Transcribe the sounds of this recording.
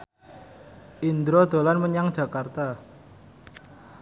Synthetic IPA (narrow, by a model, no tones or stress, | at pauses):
ʔind̪ɾod̪̥o̤lanməɲaŋd̥ʒ̥ä̤kart̪a